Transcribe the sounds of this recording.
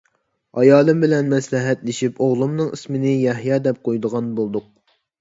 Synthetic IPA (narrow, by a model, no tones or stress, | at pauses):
ɑjɑːlˠɨmbɪlɛnmɛslɪɦɛt̪lɪʃipoʁlˠumnɨŋḭsmɪnɪjɛhjɑːd̪ɛp̚qʰojd̪əʁɑnbolˠd̪ʊq̚